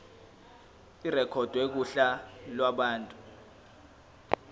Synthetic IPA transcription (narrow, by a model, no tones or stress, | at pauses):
irɛkʰɔd̥ʱwɛk̬uɬalwaɓaːntʼu